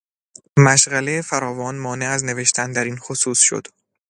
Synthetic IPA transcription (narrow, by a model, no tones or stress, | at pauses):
mæʃɢælejefæɾɒːvɒːnmɒːne̞æzne̞ve̞ʃt̪ʰænd̪æɾiːnxosuːsʃo̰d̪̥